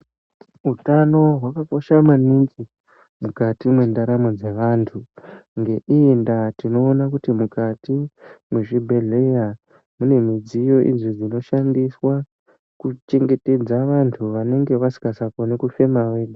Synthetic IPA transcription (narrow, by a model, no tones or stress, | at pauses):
utano̞ɦwakako̞ʃamaniŋzi | mukatimwe̞ndaɾamo̞d͡ze̞ʋantʰuŋɡe̞ʔiːndatino̞ːnakutimukatimweʐibʱe̞ɮe̞ja | mune̞mid͡zijo̞ʔḭd͡zid͡zino̞ʃandiswa | kut͡ʃe̞ŋɡe̞te̞d͡zaʋantʰuʋane̞ŋɡe̞ʋasi̥kasako̞nekufe̞mawe̞ːɗu